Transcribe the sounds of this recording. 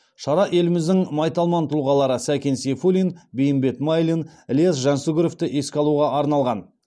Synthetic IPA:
ʃɑɾɑʔe̞lɪmɪzd̪ɪŋmɑjt̪ɑlˠmɑnt̪ʰulˠʁɑlˠɑɾəsækʲensefulʲinbejɪmbe̞t̪majlʲinlʲes̬ʒɑnsuɡʲɪɾo̞ft̪ɪʔe̞skʲɑlˠuʁɑʔɑɾnɑlˠʁɑn

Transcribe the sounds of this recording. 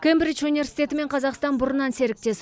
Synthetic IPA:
kʰʲembɾiʃunive̞rsi̥jt̪ʲe̞t̪ɪme̞ɴqʰɑzɑqst̪ɑnbʊɾənɑnse̞ɾɪk̚t̪e̞s

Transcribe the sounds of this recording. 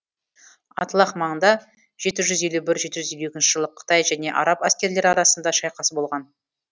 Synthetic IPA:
ɑ̰t̪əlˠɑχmɑɴənd̪ɑ | ʒ̥e̞t̪ɪʒʏze̞lubɪɾʒe̞t̪ɪʒʏze̞luekʲɪnʃɪʒəlˠəqʰːə̥t̪ɑjʒæne̞ʔɑ̰ɾɑpæskʲe̞ɾle̞ɾɑɾɑsənd̪ɑʃɑjqɑsəbo̞lˠʁɑn

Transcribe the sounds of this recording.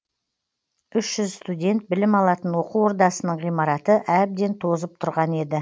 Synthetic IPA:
ʏʃʒ̥ʏzst̪udʲe̞nt̪̚bɪlɪmɑlˠɑt̪ənwo̞quwo̞ɾd̪ɑsənəɴʁijmɑɾɑt̪əʔæb̚d̪e̞nt̪ʰo̞zəp̚t̪ʰʊɾʁɑne̞d̪ɪ

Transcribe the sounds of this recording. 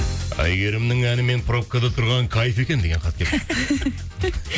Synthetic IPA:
æ̰jɡe̞ɾɪmnɪŋænɪme̞npʰɾo̞p̚kad̪ɑt̪ʰʊɾʁɑŋkʰɑjfe̞kʲend̪e̞ɡʲe̞ɴqʰɑt̪̚kʲʰep

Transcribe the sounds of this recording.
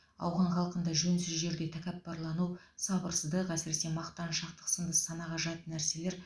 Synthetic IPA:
ɑ̰wʁɑɴχɑlˠqənd̪ɑʒɵnsɪzʒe̞ɾd̪ʲe̞t̪ʰækʲæp̚bɑɾlˠɑnuw | sɑbəɾsəzd̪əqæsɪɾe̞se̞mɑqt̪ɑnʃɑqt̪ə̥qsənd̪əsɑnɑʁɑʒɑt̪ənːæɾse̞le̞ɾ

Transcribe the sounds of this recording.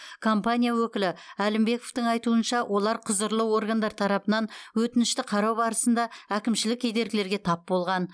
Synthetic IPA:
kʰompanʲijawɵkʲɪlɪælɪmbe̞ko̞ft̪əɴɑjt̪uənʃɑwʔo̞lˠɑɾqʰəzəɾlˠəwo̞ɾɡand̪ɑɾt̪ʰɑɾɑpənɑnwɵt̪ɪnɪʃt̪ɪqʰɑɾɑwbɑɾəsənd̪ɑækʲɪmʃɪlɪkʲʰːejd̪e̞ɾɡʲɪle̞ɾɡʲe̞t̪ʰɑp̚bo̞lˠʁɑn

